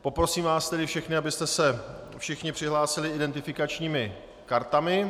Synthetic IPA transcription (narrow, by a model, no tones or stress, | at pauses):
po̞pɾo̞siːmvaːst̪ɛdɪfʃɛxnɪabɪst̪ɛsɛ | fʃɪxɲɪpr̥ɪɦlaːsɪlɪʔɪdɛnt̪ɪfɪkat͡ʃɲiːmɪ | kaɾt̪amɪ